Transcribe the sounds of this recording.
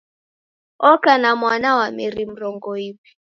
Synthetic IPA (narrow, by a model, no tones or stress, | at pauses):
ɔkanamwanawamiɾim̩ɾɔŋɡɔipi̥